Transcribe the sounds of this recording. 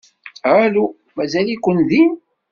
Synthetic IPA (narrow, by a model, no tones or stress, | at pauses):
ʕalu | mæzælikʷːənðin